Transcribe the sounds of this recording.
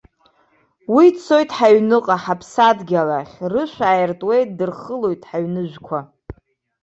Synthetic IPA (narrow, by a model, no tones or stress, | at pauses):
wit͡sʰo̞jtʼħaɥnɨqʼaħapʰsadɡʲalaχʲrɨʃʷᶣaːjɪrtʼwe̞jt̚dɨrχəlo̞jtʼħaɥnɨʒᶣʷkʷʰa